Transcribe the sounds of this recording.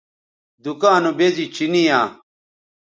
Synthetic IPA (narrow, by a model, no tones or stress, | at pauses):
d̪ukaːnobezit͡ɕʰinijaː